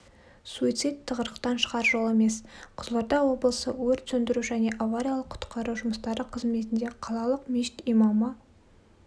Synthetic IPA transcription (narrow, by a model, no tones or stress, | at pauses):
suit̪sijt̪ʰːəʁəɾəqt̪ɑnʃə̥ʁɑɾʒo̞lˠe̞me̞sqʰʊzlˠɑɾd̪ɑwo̞bəlˠəsəwɵɾt̪sɵnd̪ɪɾuʒæne̞ʔavaɾʲijalˠəqʰːʊ̥t̪qʰɑɾuʒʊməst̪ɑɾəqʰəzme̞t̪ɪnd̪e̞qʰɑlˠɑlˠəqmiʃɪ̥t̪ijmɑmə